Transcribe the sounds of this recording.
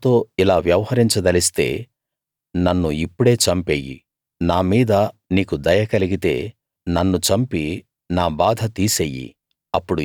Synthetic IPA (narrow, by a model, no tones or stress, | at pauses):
t̪o̞ːilaːʋjɐʋɐhɐɾiɲt͡ʃɐd̪ɐlist̪e̞̰ː | nɐnːuipːuɽe̞ːt͡ʃɐmpeːjḭ | naːmiːd̪ɐniːkud̪ɐjɐkɐliɡit̪e̞̰ː | nɐnːut͡ʃɐmpi | naːbaːd̪ʱɐt̪iːseːjḭ | ɐpːuɽu